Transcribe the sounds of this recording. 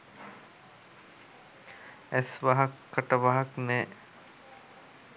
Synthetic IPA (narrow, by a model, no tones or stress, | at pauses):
æsʋaɦakːəʈəʋaɦaknɛː